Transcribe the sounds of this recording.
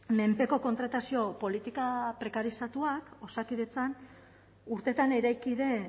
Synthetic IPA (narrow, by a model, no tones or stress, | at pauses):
me̞mpe̞ko̞ko̞nt̪ɾat̪asio̞po̞lit̪ikapɾe̞kaɾisat̪uako̞sakiðe̞t͡san | uɾt̪e̞t̪aneɾajkiðe̞